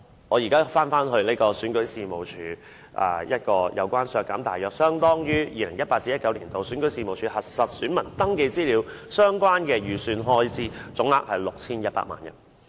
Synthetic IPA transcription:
ŋɔː˨˧jiː˨˩kaː˥faː˥nfaː˥nɦɵ˧ɥne˥jkɔː˧syː˨˥nkɵ˨˥ɥsiː˨˧mo˨˩wt͡ʃʰyː˨˥ | ʔɐ̰˨˧jɐ˥t̚kɔː˧jɐ̰˨˧wkʷaː˥nsœː˧kːa̰˨˧˥mt̪aː˨˩jœː˨k̚sœː˥ŋt̪ɔː˥ŋjyː˥jiː˧lɪ˨˩ŋjɐ˥t̚paː˧t̚t͡siː˥jɐ˥t̚kɐ˨˧˥wliː˨˩nt̪o˨wsy˨˥nkɵ˨˥ɥsiː˧mo˨wt͡ʃʰyː˨˧hɐ˨t̚sɐ˨t̚syː˨˥nmɐ˨˩nt̪ɐ˥ŋke˧jt͡siː˥liː˨˧wsœː˥ŋkʷaː˥nkɛː˧jyː˨˧syː˧nɦɔː˥jt͡siː˥t͡sʊ˨˥ŋha̰ː˧k̚hɐ˨jlʊ˨k̚t͡sʰiː˥njɐ˥t̚pa̰ː˧˥ma̰ː˨˩njɐ̰˨˩n

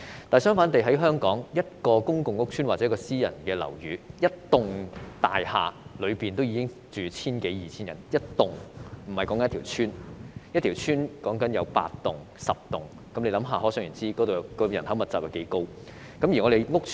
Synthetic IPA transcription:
t̪aː˨˩jsœː˥ŋfaː˨˥nt̪e˨jɦɐ˨˥jɦœː˥ŋkɔː˨˥ŋjɐ˥t̚kɔː˧kʊ˥ŋkʊ˨ŋːʊ˥k̚t͡ʃʰyː˥nwaː˨˩t͡sɛ˨˦˥kɔː˧siː˥jɐ̰˨˩nkɛː˧lɐ̰˨˩wjyː˨˧jɐ˥t̚t̪ʊ˨ŋt̪a̰ː˨jha̰ː˨˩lɵ˨˧ɥpiː˨nt̪o˥wjiː˨˧kɪ˥ŋ | t͡ʃyː˨˩t͡sʰiː˥nke˨˥jjiː˨t͡sʰiː˥njɐ˨˩njɐ˥t̚t̪ʊ˨ŋm̩˨˩hɐ˨˩jkɔː˨˥ŋkɐ˧n˥t̪ʰi˨˩wt͡ʃʰyː˥njɐ˥t̪ʰi˨˩wt͡ʃʰyː˥nkɔː˨˥ŋkɐ˨˥njɐ˨˧wpa̰ː˧tt̪ʊ˨˩ŋ | sɐ˨p̚t̪ʊ˨ŋ | kɐ˨˥mle˧lɐ˨˧˥mɦaː˨˩ɦɔː˨˥sœː˨˥ŋjyː˨˩t͡siː˥kɔː˨˥t̪o˨wkɔː˧jɐ˨˩nhɐ˨˥wmɐ˨t̚t͡sːaː˨p̚ɐ˨˩kḛ˨˥jko˥w | kɐ˨˥mji˨˩ŋɔ˨˧ɾe˨jŋʊ˥k̚ʰ

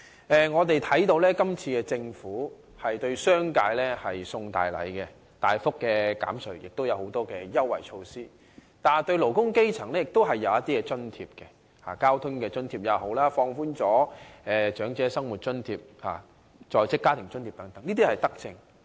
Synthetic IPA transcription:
ɛː˨˧ŋɔː˨˧t̪e˨jt̪ʰɐ˨˥jt̪o˧wlɛː˥kɐ˥mt͡sʰiː˧kɛː˧t͡sɪ˧ŋfuː˨˥ | hɐ˨jt̪ɵ˧ɥsœː˥ŋkaː˧jlɛ˥hɐ˨jsʊ˧ŋt̪a̰ː˨jlɐ̰˨˥jkɛ˧ | t̪aː˨jfʊ˥kːɛː˧ka̰ː˨˥msɵ˨˩jɪ˨k̚t̪wjɐ˨˧who˨˧˥wt̪ɔː˥kɛː˧jɐ˥wːɐ̰˨˩jt͡ʃʰo˧wsiː˥ | t̪aː˨nt̪ɵ˧ɥlo˨˩wkʊ˥ŋke˥jt͡sʰɐ˨˩ŋlɛ˥jɪ˨k̚t̪o˥wɦɐ˨jːɐ˨˧wjɐ˥t̪iː˥kɛ˧t͡sɵ˥nt̪ʰiː˧p̚kɛ˧ | ha̰ː˨˩kaː˥wt̪ʰʊ˥ŋkɛː˧t͡ʃɵ˥nt̪ʰiː˧p̚jɐ˨˧who˨˥wlaː˥fɔː˧ŋfuː˥nt͡sɔː˨˥ɛː˨t͡ʃœː˨˥ŋt͡sɛː˨˥sɐ˥ŋwu˨t̚t͡ʃɵ˥nt̪ʰiː˧p̚ha̰ː˨ | t͡ʃɔː˨jt͡sɪ˥kːaː˥t̪ʰɪ˨˩ŋt͡ʃɵ˥nt̪i˧˩pt̪ɐ˨˥ŋt̪ɐ˨˥ŋniː˥t̪iː˥hɐ˨jt̪ɐ˥k̚t͡sɪ̰˧ŋ

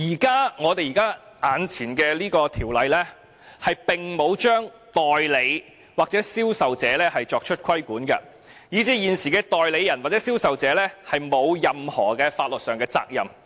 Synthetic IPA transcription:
jiː˨˩kaː˥ŋɔː˨˧t̪e˨jiː˨˩kaː˥ | ʔaː˨˧nt͡sʰiː˨˩nkɛː˧liː˥kɔː˧t̪ʰiː˨˩wlɐ˨˧jlɛ˥ | hɐ˨jpɪ˨ŋmo˨˧wt͡ʃœː˥ŋ | t̪ɔː˨˩jle˨˧j | waː˨k̚t͡sɛː˨˥siː˥wsɐ˨wt͡sɛː˨˧lɛː˥hɐ˨jt͡ʃɔː˧k̚t͡ʃʰɵ˥t̚kʰɐ˥jkuː˨˥nkɐ̰˧ | jiː˨˥t͡siː˨˥jiː˨nsiː˨˩kɛː˧t̪ɔː˨jle˨˧jɐ˨˩nwaː˨t͡sɛː˨˦˥siː˥wsɐ˨wt͡sɛː˨˧lɛː˥hɐ˨jmo˨˧wjɐ˨mhɔː˨˩kɛː˧faː˧t̚lɵ˨t̚sœː˨ŋkɛː˧t͡sa̰ː˧k̚jɐ̰˨m

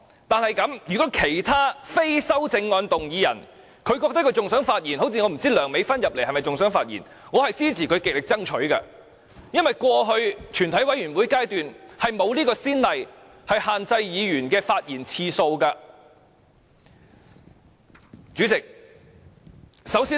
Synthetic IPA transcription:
t̪aː˨nhɐ˨jkɐ˨˥mjyː˨˩kɔː˨˥kʰe˨˩jt̪ʰaː˥fe˥jsɐ˥wt͡sɪ˧ŋːɔː˧nt̪ʊ˨ŋjiː˨˧jɐ̰˨˩n | kʰɵ˧ɥkɔː˧k̚t̪ɐ˥kʰɥt͡sʊ˨ŋsœː˨˥ŋfaː˧t̚ji˨˩nho˨˥wt͡sʰiː˨ŋɔː˨˧m̩˨˩t͡siː˥lœː˨˩ŋme˨˧jfɐ˥njɐ˨p̚le˨˩hɐ˨jmɐ˨jt͡sʊ˨ŋs̬œː˨˥ŋfaː˧t̚jḭ˨˩n | ŋɔː˨˧hɐ˨jt͡siː˥t͡sʰiː˨˩kʰɵ˨˧ɥke˨k̚lɪ˨k̚t͡sɐ˥ŋt͡ʃʰɵ˨˥ɥkɐ̰˧ | jɐ˥nwɐ˨jkʷɔː˧ɦɵ˧ɥt͡ʃʰyː˨˩nt̪ʰɐ˨˥jwɐ˨˥jyː˨˩nwuː˨˥jkaː˥jt̪yː˨nhɐ˨jmo˨˧wliː˥kɔː˧siː˥nlɐ˨j | hɐ˨jhaː˨nt͡sɐ˧jjiː˨˧jyː˨˩nkɛː˧faː˧t̚jiː˨˩nt͡sʰiː˧so˧wkaː˧ | t͡syː˨˥t͡sɪ˨k̚ | sɐ˨˥wsiː˥

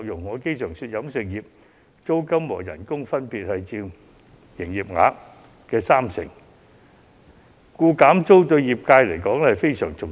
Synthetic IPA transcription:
k̚jʊ˨˩ŋːɔː˨˧ke˥jsœː˨˩ŋsyː˧t̚jɐ˨˧˥msɪ˨ŋjiː˨p̚ | t͡so˥wkɐ˥mːɔː˨˩jɐ̰˨˩nkʊ˥ŋfɐ˥npiː˨t̚hɐ˨jt͡siː˧w | jɪ˨˩ŋjiː˨˩p̚ŋa̰ː˨˥ | kɛː˧saː˥msɪ̰˨˩ŋ | kuː˧kaː˨˥mt͡so˥wt̪ɵ˧ɥjiː˨˩p̚kaː˧jlɐ˨˩jkɔː˨˥ŋhɐ˨˩jfe˥jsœː˨˩ŋt͡sʊ˨

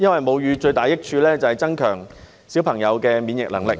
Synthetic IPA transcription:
jɐ˥nwɐ˨˩jmo˨˧wjyː˨˧t͡ʃɵ˧ɥt̪aː˨jɪ˥k̚t͡ʃʰyː˧lɛː˥t͡sɐ˨hɐ˨˩jt͡sɐ˥nkʰœː˨˩ŋ | si˨˥wpʰɐ˨˩ŋjɐ˨˧wkɛː˧miː˨˧njɪ˨k̚lɐ˨˩ŋlɪ˨k̚

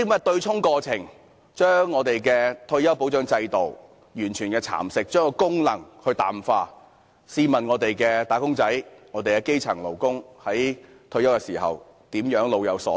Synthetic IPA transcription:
mɐ˥t̪ɵ˧ɥt͡sʰʊ˥ŋkɔː˧t͡sʰɪ˨˩ŋ | t͡ʃœː˥ŋːɔː˨˧t̪e˨jkɛ˧t̪ʰɵ˧ɥjɐ˥wpo˨˥wt͡ʃœː˨˥ŋt͡sɐ˧jt̪o˨˩w | jyː˨˩nt͡ʃʰyː˨˩nkɛː˧t͡sʰa̰ː˨˩msɪ˨k̚t͡ʃœː˥kɔ˧kʊ˥ŋlɐ̰˨˩ŋhɵ˧t̪a̰ː˨mfaː˧ | siː˧mɐ˨˩nŋɔː˨˧t̪e˨jkɛː˧t̪aː˨˥kʊ˥ŋt͡sɐ˨˥jŋɔː˨˧t̪e˨jkɛː˧ke˥jt͡sʰɐ˨˩ŋlo˨˩wkʊ˥ŋhɐ˨˥j | t̪ʰɵ˧ɥjɐ˥wkɛ˧siː˨˩ɦɐ̰˨w | t̪iː˨˥mjœː˨˥ŋlo˨˧wjɐ˨˧wsɔ̰ː˨˥

